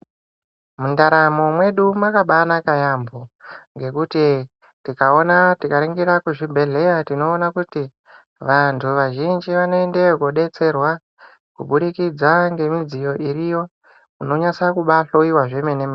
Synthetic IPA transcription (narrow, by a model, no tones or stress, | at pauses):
mundaɾamomwe̞ɗumakaɓanakajamboŋɡe̞kuti | tikao̞natikaɾeŋɡeɾakuʐibʱe̞ɮe̞jatino̞ːnakuti | ʋantʰuʋaʒind͡ʒiʋano̞endekoɗe̞t͡se̞rwa | kuɓuɗikid͡zaŋɡe̞mid͡zijo̞ʔirijo̞ | uno̞ɲasakuɓaɬo̞iwaʐemenema